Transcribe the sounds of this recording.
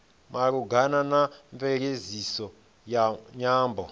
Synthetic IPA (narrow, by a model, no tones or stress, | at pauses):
maɺuɡananaɱfɛɺezisɔ | jaɲaːmbɔ